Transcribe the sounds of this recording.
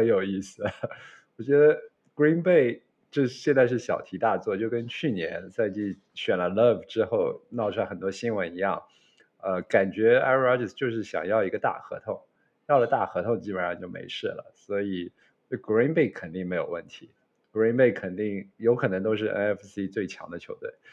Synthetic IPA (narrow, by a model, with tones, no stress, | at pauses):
xə˧˥njo˨˩ʊi˥˩sɹ̩˨˩ | wɔ˨˩t͡ɕɥɛ˧˥d̪ə˧ | kɹi˥npe˥˩ɪ | ʈ͡ʂɤ˥˧ɕjɛ˥˧nt͡sa˥˧ɪʂ̬ɻ̩˥˩ɕjɑ̰˨˩ʊt̪ʰi˧˥t̪a˥˧t͡swɔ˥˩t͡ɕjo˥˩ʊkə˥nt͡ɕʰy˥˩njɛ̰˧˥nt͡sa˥˧ɪt͡ɕy˥˩ | ɕɥɛ˨˩nlə˦lə˥˩vʈ͡ʂɻ̩˥xo˥˩ʊnɑ˥˩ʊʈ͡ʂʰu˥la˥xə˨˩nt̪wɔ˥ɕi˥nwə˧˥ni˧˥jɑ˥˩ŋ | ə˧ka˨˩nt͡ɕɥɛ˧˥a̰˥ɑ˥ʈ͡ʂə˥˩st͡ɕjo˥˧ʊʂɻ̩˥˩ɕjɑ̰˨˩ŋjɑ˥˩ʊi˧˥ɡə˧t̪a̰˥˩xɤ̰˧˥t̪ʰʊ˧˥˦ŋ | jɑ˥˩ʊlə˩t̪a˥˩xɤ˧˥t̪ʰʊ˧˥ŋt͡ɕi˥˩ə˨˩ʂɑ˥˧t͡ɕo˥˩ʊmḛ˧˥ɪʂɻ̩˥˩lə̰˩swɔ˧˥i˨˩ | o˥˩ɡi˥npe˥˩ɪkʰə˨˩nt̪i˥˩ŋme˧˥ɪjo˨˩ʊwə˥˩nt̪ʰi˧˥ | kɹi˥npe˥˩ɪkʰə˨˩nt̪i˥˩ŋjo˧˥ʊkʰɤ˨˩nɤ˧˥ŋt̪o˥ʊʂ̬ɻ̩˥˧ʔɛ̰˥nɛ˥fsi˥t͡swe˥˩ɪt͡ɕʰjɑ̰˧˥ŋd̪ə˧t͡ɕʰjo˧˥ʊt̪we˥˩ɪ